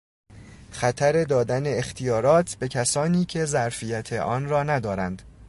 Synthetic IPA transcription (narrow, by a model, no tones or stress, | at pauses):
xæt̪ʰæɾe̞d̪ɒːd̪æne̞ext̪ʰijɒːɾɒːt̪ʰbe̞cʰæsɒːniːcʰe̞zæɾfijæt̪ʰe̞ʔɒːnrɒːnæd̪ɒːɾænd̪̥